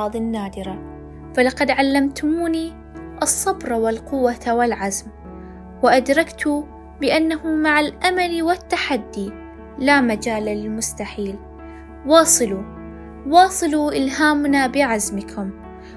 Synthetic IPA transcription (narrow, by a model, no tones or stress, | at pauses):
ɑːðˤɪnːaːd̪ɪɾa | falɑqɑd̪ʕalːamt̪ʊmuːni | ʔɨsˤːɑbɾˤɑwɪlqʊwːawɪlʕazm | wɪʔad̪ɾˤɑkt̪ʊ | bɪʔanːahʊmaʕalʔamaliwɪt̪ːaħad̪ːi | lamad͡ʒaːlalɪlmʊst̪aħiːl | wɑːsˤɨlu | wɑːsˤɨluʔɪlɦaːmnabɪʕazmɪkʰʊm